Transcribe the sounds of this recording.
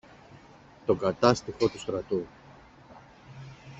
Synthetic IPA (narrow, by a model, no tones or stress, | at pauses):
t̪o̞ɡɐt̪ɐst̪ixo̞t̪ust̪ɾɐt̪u